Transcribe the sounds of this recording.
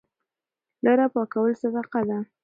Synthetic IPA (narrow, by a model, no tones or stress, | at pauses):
laɾapɑkawəlsad̪ɑqad̪a